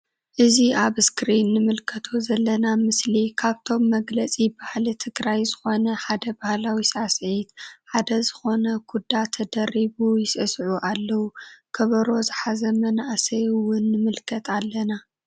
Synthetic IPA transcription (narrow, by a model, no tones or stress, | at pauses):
ʔɨziʔaβskɾinːɨmɨlkʰɐt̪ʰozɐlːɐnamɨslikʰaβt̪ʰo̞mːɐɡlɐt͡sʼibahlit̪ʰɨɡɾajzɨxo̞nɐħad̪ɐbahlawisasʕit̪ħad̪ɐzɨxo̞nɐɡud̪ːat̪ʰɐd̪ɐɾiβujɪsɨsʕuʔalːɐwukʰɐβɐɾo̞zɨħazɐmɐnaʔsɐjwʊnːɨmɨlkʰɐt̪ʰalːɐna